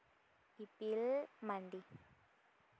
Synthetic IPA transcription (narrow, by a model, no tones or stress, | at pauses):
ipilmandi